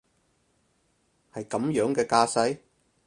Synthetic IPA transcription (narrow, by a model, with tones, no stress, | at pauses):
hɐ˨jkɐ˨˥mjœː˨˥ŋkɛː˧kaː˧sɐ˥j